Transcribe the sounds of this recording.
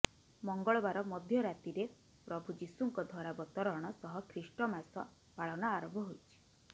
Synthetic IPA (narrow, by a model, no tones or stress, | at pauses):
mɔŋɡɔɭɔbaɾɔmɔd̪ʱjɔɾat̪iɾe | pɾɔbʱud͡ʒisuŋkɔd̪ʱwɔɾabɔt̪ɔɾɔɽ̃ɔsɔɦɔkʰɾisʈɔmasɔ̰ | paɭɔnaːɾɔmbʱɔɦojt͡ʃʰi̥